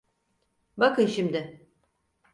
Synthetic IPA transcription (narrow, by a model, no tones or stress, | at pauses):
bakɯnʃimd̪ɪ